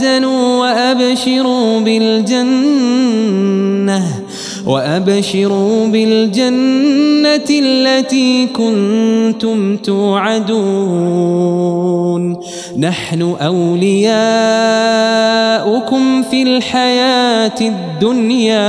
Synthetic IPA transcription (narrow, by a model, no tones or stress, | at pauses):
zanuːwaʔabʃɪɾuːbɪld͡ʒan | ah | wʔa̰ʔabʃɪɾuːbɪld͡ʒanːalːat̪iːkʊnt̪ʊmt̪uːʕad̪uː | nː | aħnʊʔawlɪjaː | ʔʊkʊmfilħajaːt̪ɪd̪ːʊnjaː